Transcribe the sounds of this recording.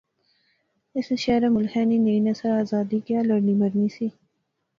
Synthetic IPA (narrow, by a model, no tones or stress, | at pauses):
ɪseʃeːɾamʊlhɛnineinɐsɐɾaːzɑːd̪ikjaːlɐɾnimɐɾnisi